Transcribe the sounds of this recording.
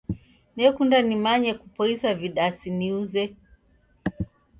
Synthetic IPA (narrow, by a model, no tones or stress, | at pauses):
nɛkundanimaɲɛkupɔisaviɗasiniuzɛ